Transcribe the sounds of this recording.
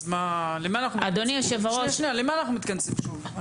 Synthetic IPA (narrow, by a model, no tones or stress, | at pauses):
malemaːnaχnuad̪oniaʃevaʁoʃnialemaːnaχnumit̪̚kansimʃuv